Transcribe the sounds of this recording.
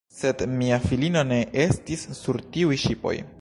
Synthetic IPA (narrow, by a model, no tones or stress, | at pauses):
se̞dmiafilino̞ne̞ʔe̞stisːuɾtiujʃipo̞̰j